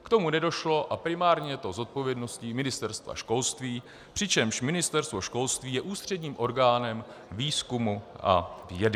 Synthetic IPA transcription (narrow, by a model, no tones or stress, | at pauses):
kt̪o̞munɛdo̞ʃlo̞ʔapɾɪmaːɾɲɛjɛt̪o̞zo̞t̪̚po̞vjɛdno̞scimɪnɪst̪ɛɾst̪va̰ʃko̞lst̪viː | pr̥ɪt͡ʃɛmʃmɪnɪst̪ɛɾst̪vo̞ʃko̞lst̪viːjɛʔuːst̪r̝̥ɛdɲiːmʔo̞ɾɡaːnɛm | viːskumuʔa̰vjɛdɪ